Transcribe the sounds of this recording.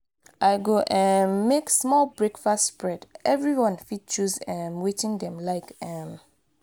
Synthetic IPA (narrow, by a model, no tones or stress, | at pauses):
ʔaɪɡoʔɛ̃nmeksmɔlbɹekfastspɹɛdʔɛvɹiwɔ̃nfid̚t͡ʃuzɛ̃mwet͡ʃĩŋdɛ̃mlaɪkɛm